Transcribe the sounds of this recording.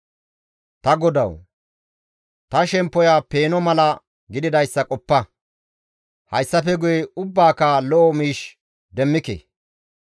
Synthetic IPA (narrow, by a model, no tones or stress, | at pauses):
t̪ɐɡɔd̪ɐ̰w | t̪ɐʃɛmpːɔjaːpe̞ːnɔmɐlɐ | ɡɪd̪ɪd̪ɐjsːɐkʼɔpːɐ | hɐjsːɐp̬ɛɡʊjɛʊbːaːkaːlɔʔɔmiːʃ | d̪ɛmːɪkḛ